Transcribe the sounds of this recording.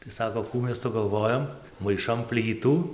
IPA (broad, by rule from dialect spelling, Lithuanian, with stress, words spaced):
tɐɪ ˈsɑːkoː ˈkuː ˈmʲɛs sʊɡɐlˠˈʋoːjoːm mɐɪˈʃɐm ˈpʲlʲiːtuː